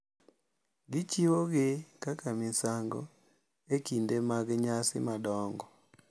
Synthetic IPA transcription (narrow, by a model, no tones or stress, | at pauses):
ɡɪt͡ʃiwoɡɪkakamɪsaŋɡɔ̰ | ekindemaɡɲasɪ̰madɔŋɡɔ